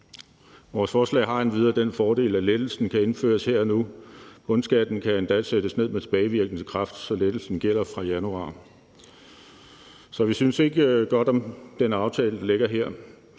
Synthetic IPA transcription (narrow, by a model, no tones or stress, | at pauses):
ʋɒːsfɒːslɛ̰ːɦɑ̈enʋið̞ˠɐd̥enfɒːd̥e̝̰ːlæled̥l̩sn̩kʰæe̝nfø̰ːɐsheɐ̰ɒnuɡ̥ɔ̽nsɡ̥æd̥n̩kʰæe̝nd̥ɛsed̥əsne̝ð̞̰ˠmet͡sʰe̝b̥ɛːɪʋiɐɡ̥n̩kʰʁɑ̈fd̥sɒ̽led̥l̩sn̩ɡ̥el̰ɐfʁɑ̈jænuɑ̰̈ː | sɒ̽ʋisynse̝ɡ̥əɡ̥ɒ̽d̥ɒ̽md̥enɑ̈ʊt͡sʰɛːləd̥ɑle̝ɡ̥ɐɦeɐ̰